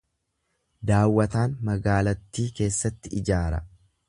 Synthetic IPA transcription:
d̪aːwːɐt̪aːnmɐɡaːlɐt̪ːiːke̞ːsːɐt̪ːɪɪd͡ʒaːɾɐ̰

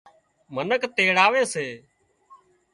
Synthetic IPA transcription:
mənəkt̪eːɽaːʋeːseː

